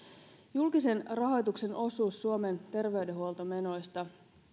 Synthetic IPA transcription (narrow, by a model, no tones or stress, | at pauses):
julkise̞nrɑɦo̞jt̪ukse̞no̞suːsːuo̞me̞nt̪e̞rʋe̞yɥde̞ɦuolt̪o̞me̞no̞jst̪ɑ